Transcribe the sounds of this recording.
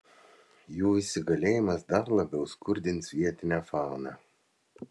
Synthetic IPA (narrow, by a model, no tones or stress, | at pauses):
juːɪsʲɪɡɐlʲeːjɪmɐsd̪ɐɾlˠɐbʲɛʊskʊɾʲd̪ʲɪnsʋʲiɛt̪ʲɪnʲæːfɑlˠnɑ